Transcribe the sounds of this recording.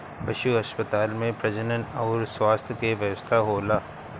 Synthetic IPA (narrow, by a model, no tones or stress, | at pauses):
pɐʃuɦɐspət̪aːlmẽpɾɐd͡ʒənənɐʊɾswaːst̪ʰjkeʋjəʋəst̪ʰaɦoːlaː